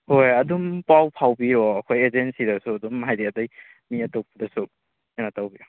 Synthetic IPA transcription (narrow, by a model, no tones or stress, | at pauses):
hojɐdumpawpʰawbiɾɔɐkʰojezensidɐsuɐdumɦajdeɐdaj | miɐtowpʰadɐsu | anatawbiɾɔ